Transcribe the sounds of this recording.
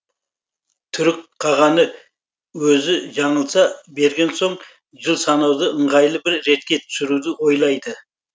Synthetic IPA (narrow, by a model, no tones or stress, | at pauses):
t̪ʰʏɾɪk̚qʰɑʁɑnə | wɵzɪʒɑɴəlˠsɑbe̞ɾɡʲe̞nso̞ɴ | ʒəlˠsɑnɑwd̪əəɴʁɑjlˠəbɪɾːe̞t̪̚kʲe̞t̪ʰʏ̥sɪɾud̪ɪwo̞jlˠɑjd̪ə